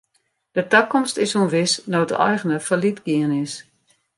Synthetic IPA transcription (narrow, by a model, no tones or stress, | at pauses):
d̥ətakɔmstɪshunʋɪsnoːdə̰ʔɔjɣənəfəlitɡiənɪs